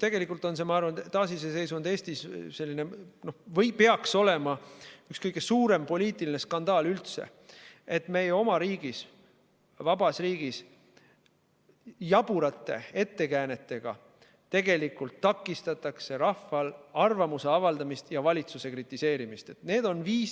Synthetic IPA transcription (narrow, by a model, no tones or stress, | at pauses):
t̪e̞ɡe̞likːˑult̪o̞nse̞mɑɑrvɑnt̪ɑːsisese̞jsund̪eːsʲt̪isse̞lʲːineno̞hvɤjpeɑkso̞le̞mɑykskɤjɡe̞suːɾe̞mpo̞lʲiːt̪ˑiline̞skɑnd̪̥ɑːlylt̪sḛ | e̞t̪ːme̞jeo̞mɑɾiːɡ̥is | vɑbɑsriːɡ̥is | jɑb̥uɾɑt̪ːˑe̞̰e̞t̪ːe̞kæːne̞t̪ːˑe̞ɡ̥ɑ̰ | t̪e̞ɡe̞likult̪ːɑkːˑist̪ɑt̪ːˑɑkse̞ɾɑfːɑlɑrvɑmuse̞ɑvɑld̪ɑmist̪jɑvɑlʲit̪suse̞krit̪ˑːise̞ːɾimist̪e̞t̪ne̞ːd̪o̞nviːs